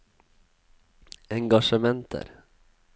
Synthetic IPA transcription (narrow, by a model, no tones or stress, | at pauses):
ɛŋɡaʂəmɛnt̪ʰə̰ɾ